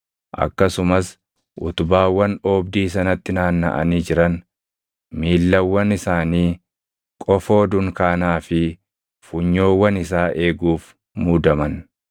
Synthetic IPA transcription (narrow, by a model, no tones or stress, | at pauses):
ʔɐ̰kːɐsʊmɐs | ʔʊ̰t̪ʊbaːwːɐnoːbd̪iːsɐnɐt̪ːɪnaːnːɐ̰ʔɐ̰niːd͡ʒɪɾɐn | miːlːɐwːɐnɪsaːniː | kʼɔfo̞ːd̪ʊŋkaːnaːfɪ | fʊɲːo̞ːwːɐnɪsaːʔe̞ːɡuːf | muːd̪ɐmɐn